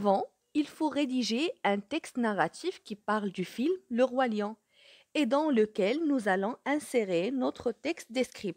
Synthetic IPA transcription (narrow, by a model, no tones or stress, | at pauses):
avɑ̃ | ilfoʁed̪iʒeɛ̃t̪ɛkst̪naʁat̪ifkʲipaʁld̪yfilmləʁwaljɑ̃ | ed̪ɑ̃ləkʲɛlnuzalɔ̃ɛ̃seʁenɔt̪χət̪ɛkst̪̚d̪eskχib̚